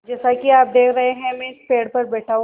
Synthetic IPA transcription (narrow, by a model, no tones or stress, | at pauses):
d͡ʒɛːsakiaːp̚d̪eːkʰɾɐɦeɦɛ̃mɛ̃speːɽpɐɾbɛːʈʰaːũ